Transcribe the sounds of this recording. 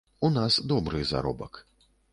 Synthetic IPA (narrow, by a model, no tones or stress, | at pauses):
unasd̪ɔbɾɨza̰ɾɔ̰bɐk